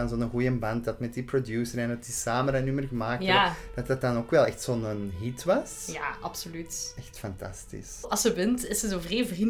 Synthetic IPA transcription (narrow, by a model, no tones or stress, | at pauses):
ɑnzoːnənɣujəmbɑntdɑtmɛt̚diprodjuːsəɾɛndɑtdisaːməndɑnnymərkmaːkəd̥ɑtɑt̚ɑnokʋɛlˠɛxtsoːnənɦitʋɑs | jaːʔɑpsolytɛxtfɑntɑ̰stḭsɑsəbɪntɪsəzovreːvrim